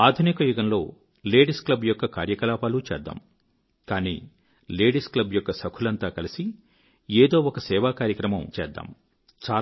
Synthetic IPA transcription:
aːd̪ʱunikɐjuɡɐnlo̞ː | le̞ːɖisklɐbjɔkːɐka̰ːɾjɐkɐlaːpaːlut͡ʃɛːd̪ːa̰ːm | kaːnḭː | le̞ːɖisklɐbjɔkːɐsɐkʰulɐnt̪aːkɐlisi | eːd̪o̞ːɔkɐsɛːʋaːkaːɾjɐkɾɐmɐmt͡ʃɛ̰ːd̪ːa̰ːm | t͡ʃaː

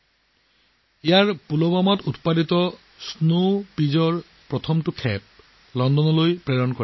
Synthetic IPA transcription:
ijaɹpulɔbamɔtutpaditɔ | snopizɔɹ | pɹɔtʰɔmtʊkʰɛp̚ | lɔndɔnɔlojpɹɛɹɔnkɔ

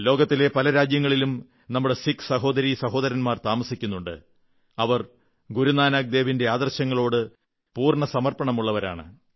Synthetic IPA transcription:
lo̞ːɡɐt̪ːile̞pɐlɐɾaːd͡ʑjɐŋːɐɭilum | nɐmːuɽe̞siksɐɦo̞ːd̪ɐɾisɐɦo̞ːd̪ɐɾɐnmaːrt̪aːmɐsikʲːunːuɳɖɨ̰ | ɐʋɐr | ɡuɾunaːnaɡ̚d̪e̞ːʋinde̞aːd̪ɐrɕɐŋːɐɭo̞ːɽɨ | puːrɳɐsɐmɐrpɐɳɐmuɭːɐʋɐɾa̰ːɳɨ̰

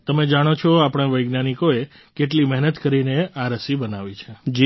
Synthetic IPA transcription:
t̪əmed͡ʒaɽ̃ot͡ʃʰoapɽ̃aʋəjɡnanikoe | keʈlimɛɦnət̪kəɾineaɾəsibənaʋit͡ʃʰed͡ʒi

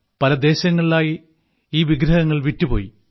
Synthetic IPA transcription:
pɐlɐd̪e̞ːɕɐŋːɐɭilaːji | iːʋiɡɾɐɦɐŋːɐɭʋitːupo̰ːji

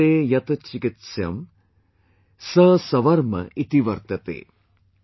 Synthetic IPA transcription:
eːjɐt̪ɐt͡ʃikit̪sjɐ̰m | sɐsɐʋɐɾmɐ̰ʔit̪iʋɐɾt̪ɐt̪ḛː

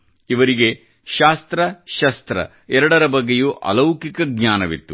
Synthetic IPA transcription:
iʋɐɾiɡe̞ | ʃaːst̪ɾɐʃɐst̪ɾɐ̰ | ɛɾɐɽɐɾɐbɐɡːejuʔɐ̰lɐwkikɐɡɲaːnɐʋḭt̪ːu

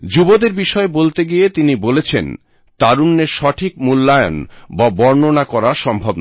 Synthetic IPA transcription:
d͡ʑubod̪eɾbiʃɔebolt̪eɡiet̪inibolet͡ɕʰḛn | t̪aɾunːeɾʃɔʈʰikmulːaejo̰nbabɔɾnonakɔɾaʃɔmbʱobn

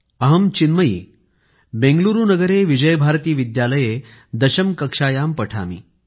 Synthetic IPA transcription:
əɦəmt͡ɕinməiː | bẽŋɡluɾuːnəɡəɾeʋid͡ʑəjbʱaɾt̪iːʋid̪jaləje | d̪əɕəmkəkʂajampəʈʰa̰mḭː

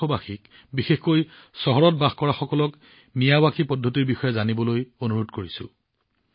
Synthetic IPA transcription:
ɔbaxik | bixexkoj | sɔɦɔɹɔt̚baxkɔɹaxɔkɔlɔk | mijabakʰipɔdʱːotiɹbixɔjɛzanibɔlojonuɹotkoɹisʊ̰

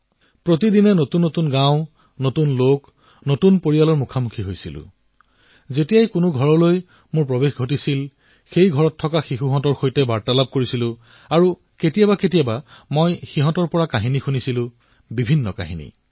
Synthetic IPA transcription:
pɹotidinɛnotunːotunɡãwʊ̃ | notunlok | notunpoɹijalɔɹmukʰamukʰiɦojsilʊ̰̃ | zetijajkʊnʊɡʱɔɹɔloj | mʊɹpɹobexɡʱotisil | xejɡʱɔɹɔtʰːɔkaxixuɦɔ̃tɔɹxojtɛbaɹtalab̚koɹisilʊ̃ | aɹu | ketijabaketijabamojxiɦɔ̃tɔɹpɔɹakaɦinixunisilʊ̃ | bibʱinːɔ̰ka̰ɦinḭ

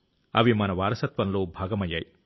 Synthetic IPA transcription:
ɐ̰ʋimɐnɐʋaːɾɐsɐt̪ʋɐnlo̞ːbʱaːɡɐmɐjːa̰ːji

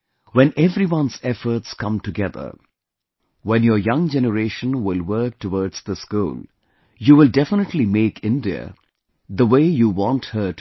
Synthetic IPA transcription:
wɛ̃nʔɛvɾiwʌ̃nzɛfəɾʈskʌ̃mʈɨɡɛðə̰˞ | wɛ̃njəjʌ̃ŋd͡ʒɛnəɾeːʃə̃nwɪlwə˞k̚tʰəwɔːdz̥d̪əskṵːl | juːwɪldɛfənəʈlimeːkʰɪ̃ndiə̰ | d̪əweɪjuwɔ̃nthə˞t

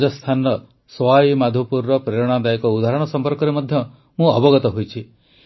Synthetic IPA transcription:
d͡ʒɔst̪ʰanɾɔ | sɔaimad̪ʱupuɾːɔpɾeɾɔɽ̃ad̪aikɔud̪ʱaɾɔɽ̃ɔsɔmpɔɾkɔɾemɔd̪ʱjɔ | mũɔbɔɡɔt̪ɔɦojt͡ʃʰi

